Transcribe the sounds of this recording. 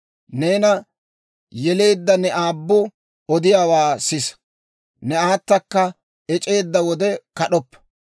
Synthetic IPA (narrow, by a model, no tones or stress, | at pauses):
ne̞ːnɐ | jɛle̞ːd̪ːɐnɛʔaːbːʊ | ɔd̪ɪjaːwaːsɪs | nɛaːt̪ːɐkːɐ | ɛt͡ʃʼe̞ːd̪ːɐwɔd̪ɛkɐɗɔpːɐ̥